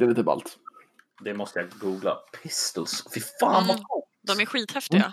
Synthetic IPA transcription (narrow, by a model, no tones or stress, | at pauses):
d̪ɛliːt̪əba̰lt̪ | d̪ɛmɔst̪əjaɡuːɡla̰pʰɪst̪əlsfɪfaːnmɔkʰuː | d̪ɔmæɾɧiːt̪hɛft̪ɪɡa̰